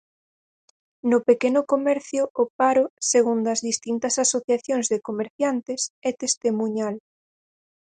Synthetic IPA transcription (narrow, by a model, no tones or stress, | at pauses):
nʊpekenʊkomɛɾθjʊʔːpaɾoseɣund̪ɐzðist̪int̪ɐsasoθjaθjoŋzðekomeɾθjant̪esɛt̪est̪emũɲal